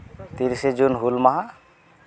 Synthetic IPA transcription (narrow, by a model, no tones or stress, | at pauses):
t̪iɾsed͡ʒunɦulmaɦa